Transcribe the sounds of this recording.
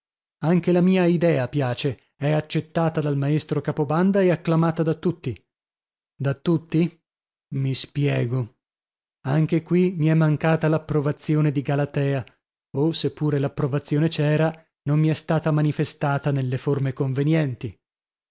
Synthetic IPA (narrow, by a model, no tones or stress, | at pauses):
aŋkelamiːaid̪ɛːapjaːt͡ʃe | ɛat͡ʃːet̪ːaːt̪ad̪almaest̪ɾokaːpoband̪aeakːlamaːt̪ad̪at̪ːut̪ːi | d̪at̪ːut̪ːi | mispjɛːɡo | aŋk̟ekwimiɛmːaŋkaːt̪alapːɾovat̪sːjoːned̪iɡalat̪ɛːa | osepːuːɾelapːɾovat̪sːjoːnet͡ʃɛːɾa | nomːiɛst̪aːt̪amanifest̪aːt̪anelːeformekoɱvenjɛnt̪i